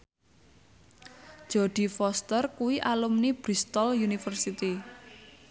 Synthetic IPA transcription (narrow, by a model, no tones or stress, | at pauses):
ʒ̥ɔɖ̥i̤fɔst̪ərkuwiʔalumnib̥ɾist̪ɔljunifərsit̪i